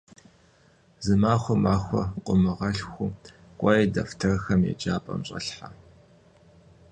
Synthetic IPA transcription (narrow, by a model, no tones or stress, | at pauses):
zɨmaːxʷɔmaːxʷɔqʷʼʊmɨʁɐɬxʷʊ | qʷʼɔjedɐftʰɐrxɐmjɛ̰d͡ʒʼaːpʼɐ̰mɕʼɐ̰ɬħa